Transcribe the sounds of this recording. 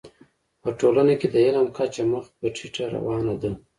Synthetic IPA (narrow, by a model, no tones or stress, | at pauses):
pəʈolanaked̪əelamkʰat͡ʃaməxt̪̚pəʈʰiʈaɾa̰wɑnad̪a